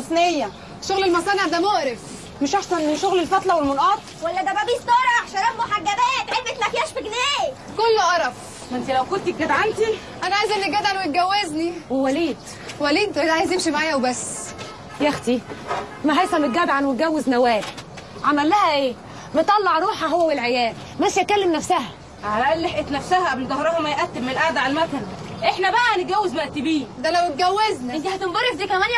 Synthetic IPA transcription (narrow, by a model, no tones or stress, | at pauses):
osˤnejːæ | ʃoɣlelmɑsˤɑːneʕd̪æmoɾef | meʃʔaħsɑnʃoɣlelfɑt̪ˤlɑwelmonʔɑːt̪̚ˤwælːæd̪æbæbiːst̪ˤɑɾˤɑħʃɑɾˤæfmoħaɡːæbæːt̪elfet̪læfijæʃfeɡneː | kolːoʔɑɾˤɑb | mænt̪ilæwkolt̪iɡæd̪ʕant̪i | ʔænæʕajzʔænːiɡæd̪ʕanweɡæwːezniwewæliːd̪ | wæliːd̪̚æd̪ʕajzʔemʃimaʕaːjæwbæsː | jæxt̪imæɦæjsæmet̪̚ɡæbʕanweɡæwːeznæwæːl | ʕamælːæhæʔeː | met̪ˤːɑlːɑʕɾˤuːħæɦowːæwelʕejæːl | mæʃjækælːemnæfsæɦæ | ʕalæʔæleħʔet̪næfsæhæʔæbld̪ɑhɾˤɑhomæjʔæt̪ːebmːelʔaʕd̪æʕalmæt̪æn | ʔeħnæbæʔænet̪̚ɡæwːezbæʔt̪ibiːd̪ælæwet̪̚ɡæwːeznænɡ̪æhæt̪embɑrˤːefd̪iːkæmænjæ